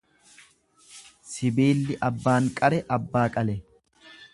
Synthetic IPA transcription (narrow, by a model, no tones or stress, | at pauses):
sɪbeːlːɪʔɐbːaːŋkʼɐɾɛʔɐbːaːkʼɐlɛ